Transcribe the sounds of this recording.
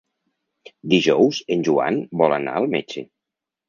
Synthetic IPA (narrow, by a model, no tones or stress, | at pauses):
d̪iʒɔwzənʲʒua̰nbɔlana̰əlˠmet͡ʃe